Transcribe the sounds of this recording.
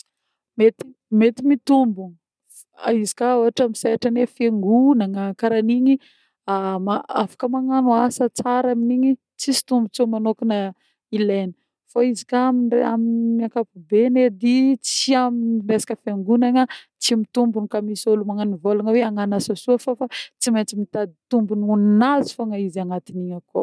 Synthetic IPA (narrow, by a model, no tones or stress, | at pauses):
met̪i | met̪imit̪umbuni | izi̥kaoɦaʈ͡ʂamisaaʈ͡ʂanefeŋɡunaŋəkaɾaniɲi | amaafḁkəmaŋanuasət͡saɾaminiɲi | t͡sisi̥t̪umbut͡somanokinə | ilenə | faizi̥kaamiaminmiakapubened̪it͡siaminresḁkəfjeŋɡunaŋə | t͡simit̪umbunikamisolumaŋanivolanəweaŋanasasuəfofat͡simet͡simit̪ad̪it̪umbununinazi̥faŋaizaŋat̪iniɲəko